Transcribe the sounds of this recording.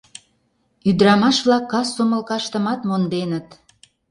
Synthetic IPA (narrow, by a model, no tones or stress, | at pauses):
yd̪ɾɑmɑʃβlɑkːɑsːomə̆lkɑʃt̪ə̆mɑt̪mond̪enət̪